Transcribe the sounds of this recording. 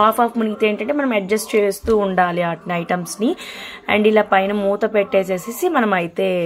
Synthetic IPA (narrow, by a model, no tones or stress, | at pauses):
aːpʰaːfmuniːt̪e̞ːɳʈɐɳʈeːmɐnɐmɐɖd͡ʒɐsʈt͡ʃe̞ːst̪uːuɳɖaːliaːʈnɐjʈɐmsniɐ̰ɳɖilaːpɐjnɐmuːt̪ɐpeʈːeːseːsisimɐnɐmɐjit̪e̞ː